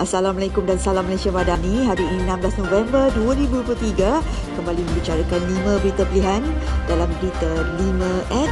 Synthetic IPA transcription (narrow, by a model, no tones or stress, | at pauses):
ʔasalamalakumdansalamːəlasiamadanĩɦaɾinãmblasnõvɛmbərduaɾibuduplut̪iɡakəmbalimə̃mbit͡ʃaɾakanlimə̃bəɾit̪apəliɦandalambəɾit̪alimə̃ʔɛt̚